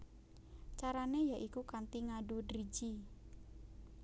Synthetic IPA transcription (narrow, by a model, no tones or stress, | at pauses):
t͡ʃaɾanejaʔikukant̪iŋaɖudɾid͡ʒi